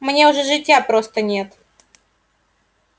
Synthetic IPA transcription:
mnʲe̞ʊʐɛʐɨtʲjapɾost̪ənʲe̞t̪

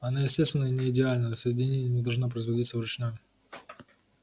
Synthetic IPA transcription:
ɐnajɪsʲtʲest̪vʲɪnːənʲɪɪdʲɪalʲnəjəsəjɪdʲɪnʲenʲɪjənʲɪd̪ɐlˠʐnop̬ɾəɪzvɐdʲit̪səvɾʊt͡ɕnoj

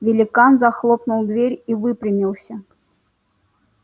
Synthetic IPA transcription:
vʲɪlʲɪkanzɐxlˠɔpnulˠd̪vʲeɾʲivɨpɾʲɪmʲilˠsʲə

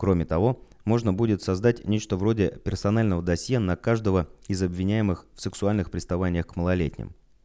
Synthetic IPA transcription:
kɾo̞mʲɪt̪ɐvo̞ | mo̞ʐnəbudʲɪt̪sɐzd̪atʲnʲet͡ɕt̪əvro̞dʲɪpʲɪrsɐnalʲnəvəd̪ɐsʲjenɐkaʐd̪əvəɪzɐbvʲɪnʲæjɪmɨxfsɨksʊalʲnɨxpɾʲɪst̪ɐvanʲɪjəxkməlˠɐlʲetʲnʲɪ̰m

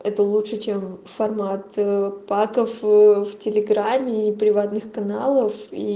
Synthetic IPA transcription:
ɛt̪əlˠutʂɨt͡ɕemfɐrmat̪pakəfftʲɪlʲɪɡɾamʲːɪːpɾʲɪvat̪nɨxkɐnalˠəfi

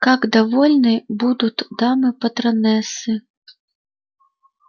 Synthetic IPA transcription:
kakd̪avɔlʲnɨbud̪ut̪ʲd̪amɨpɐt̪ɾanɛsɨ

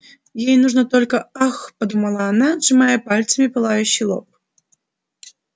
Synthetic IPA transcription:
jejnuʐnət̪olʲkəaxpɐd̪uməlˠaɐnad̪ʐɨmajəpalʲt̪səmʲɪpɨlˠajʉɕːɪjlˠo̰p̚

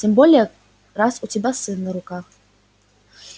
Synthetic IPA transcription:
tʰimbolʲija | rasutʰibasɨnːɨɾukʰʼax

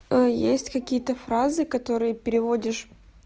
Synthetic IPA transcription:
əjesʲtʲkɐkʲijət̪əfɾazɨkɐt̪o̞ɾɨjəpʲɪɾʲɪvodʲɪʂ

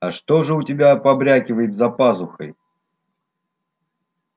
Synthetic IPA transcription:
ɐʂt̪o̞ʐɨʊtʲɪbʲapɐbɾʲækʲɪvəjɪt̪zɐpasʊxə̰j

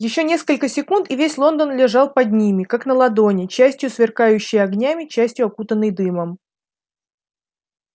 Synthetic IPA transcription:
jɪɕːonʲe̞skəlʲkəsʲɪkunt̪ɪvʲesʲlˠo̞nd̪ənlʲɪʐɑlˠpɐd̪̚ʲnʲimʲɪkaknəlˠɐd̪onʲɪt͡ɕæsʲtʲjʊsvʲɪrkajʉɕːɪjəɐɡnʲæmʲɪt͡ɕæsʲtʲjʊɐkut̪ənːəjd̪ɨməm

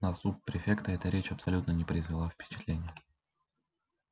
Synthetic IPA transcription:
nɐsut̪̚pɾʲɪfʲe̞kt̪əɛt̪əɾʲet͡ɕɐpsɐlʲut̪nənʲɪpɾəɪzvʲɪlˠafpʲɪ̥t͡ɕɪ̥t̪lʲenʲɪjə

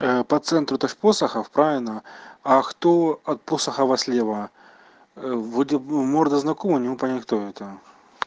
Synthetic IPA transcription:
pɐt̪sɛnt̪ɾʊt̪oʂʲposɐxɐfpɾavʲɪlʲnɐɐxt̪oɐt̪̚posɐxɐvɐsʲlʲevɐ | vɔdʲɪmord̪əznɐkomɨnʲɪmupɐnʲɛkt̪oɛt̪ɐ

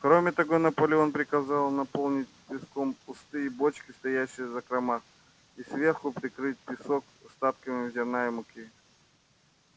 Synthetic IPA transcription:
kɾomʲɪt̪ɐɡonɐpəlʲɪo̞npɾʲɪkɐzalˠnɐpolˠnʲɪt̚ʲpʲɪskompʊst̪ɨjɪbot͡ɕkʲɪst̪ɐjæɕːɪjəzɐkɾɐmax | isvʲerxʊpɾʲɪkɾɨt̚ʲpʲɪsok | st̪at̪kəmʲɪzʲɪɾnajɪmʊkʲi

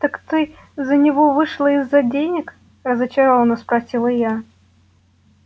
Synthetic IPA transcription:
t̪əkt̪ɨ | zənʲɪvɔvɨʂlˠəizːɐdʲenʲɪk | rəzət͡ɕɐɾɔvənəspɾɐsʲilˠəja

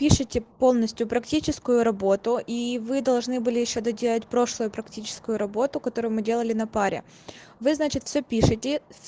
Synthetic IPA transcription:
pʲiʂɨtʲɪpo̞lˠnəsʲtʲjʊpɾɐktʲit͡ɕɪskʊjʊɾɐbo̞t̪ʊʔivɨd̪ɐlˠʐnɨbɨlʲɪjɪɕːod̪ɐdʲelˠətʲpɾo̞ʂlˠʊjʊpɾɐktʲit͡ɕɪ̥skʊjʊɾɐbo̞t̪ʊkɐt̪o̞ɾʊjʊmɨdʲelˠəlʲɪnɐpaɾʲɪ̰ | vɨznat͡ɕɪt̪fsʲɵpʲiʂɨtʲɪ

